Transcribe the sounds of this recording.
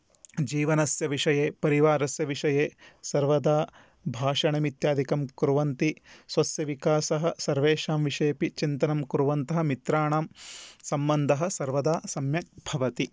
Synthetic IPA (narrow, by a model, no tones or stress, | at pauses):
d͡ʒiːʋɐnɐsjɐʋiʂɐjeːpɐɾiʋaːɾɐsjɐʋiʂɐjeːsɐɾʋɐd̪aː | bʱaːʂɐɳɐmit̪jaːd̪ikɐmkuɾuʋɐnt̪isʋɐsjɐʋikaːsɐɦɐ̆sɐɾʋeːʂaːmʋiʂɐjpit͡ʃint̪ɐnɐmkuɾuʋɐnt̪ɐɦɐ̆mit̪ɾaːɳaːmsɐmbɐnd̪ʱɐɦɐ̆sɐɾʋɐd̪aːsɐmjɐk̚bʱɐʋɐt̪i